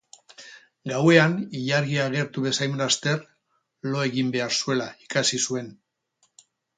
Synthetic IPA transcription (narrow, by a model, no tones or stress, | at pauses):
ɡawe̞aniʎaɾɣiaːɣ̞e̞ɾt̪uβe̞sajmɾast̪e̞ɾ | lo̞e̞ɣimbe̞aɾsue̞laikasisue̞n